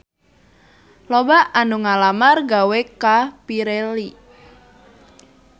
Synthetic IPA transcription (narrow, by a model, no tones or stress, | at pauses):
lobaʔanuŋalamarɡawekapiɾeli